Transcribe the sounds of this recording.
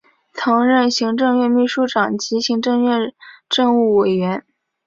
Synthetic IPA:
t͡sʰɤ˧˥ŋɻə˥˩nɕi˧˥ŋʈ͡ʂɤ˥˧ŋɥɛ˥˧nmi˥˧ʂu˥˩ʈ͡ʂɑ˨˩ŋt͡ɕi˧˥ɕi˧˥ŋʈ͡ʂɤ˥˧ŋɥɛ˥˧nʈ͡ʂɤ˥˧ŋu˥˩we˨˩ɪɥɛ˧˥n

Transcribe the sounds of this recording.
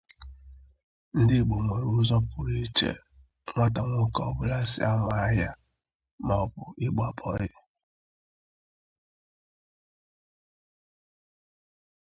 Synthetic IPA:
n̩˦dɪ˦˨ɡ͡bo˨ŋʷe˨ɾu˦zɔ˦pʊ˨ɾi˦t͡ʃḛ˨ | ŋʷa˦ta˨ŋʷo˦kɔ˨bʊ˦la˦sɪ̰˦a˦ŋʷa˨a˦ja˦ | mɔ˨bʊ˨ɪ˦ɡ͡ba˨pʰɔ˨ɾɪ˦

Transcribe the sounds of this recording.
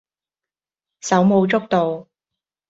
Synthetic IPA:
sɐ˨˥wmo˧wt͡sʊ˥k̚t̪o˨w

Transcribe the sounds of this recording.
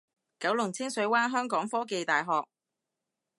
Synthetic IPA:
kɐ˨˥wlʊ˨˩ŋt͡sʰɪ˥ŋsɵ˨˥ɥwaː˥nɦœː˥ŋkɔː˨˥ŋfɔː˥ke˨jt̪aː˨jɦɔː˨k̚

